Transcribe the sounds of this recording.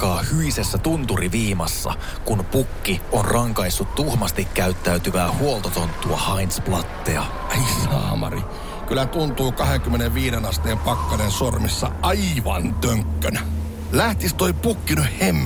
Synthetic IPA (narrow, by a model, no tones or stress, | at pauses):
kɑːhyisesːæt̪unt̪uriʋiːmɑsːɑ̰ | kunpukːionrʔɑŋkɑisːut̪t̪uhmɑst̪ikkæyt̪ːæyt̪yʋæːhuolt̪ot̪ont̪ːuɑhɑinsplɑt̪ːeɑ̰ | eisɑ̰ːmɑ̰rḭ | kylæt̪unt̪uːkɑheŋkymːeneʋʋiːdenɑst̪eːmpɑkːɑnensormisːɑ̰ɑiʋɑ̰nt̪øŋkːønæ | læht̪ist̪oipukːinyhhemː